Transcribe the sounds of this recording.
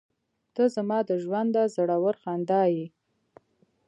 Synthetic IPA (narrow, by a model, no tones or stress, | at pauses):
t̪əzamɑd̪əʒwand̪azəɽawəɾxand̪ɑji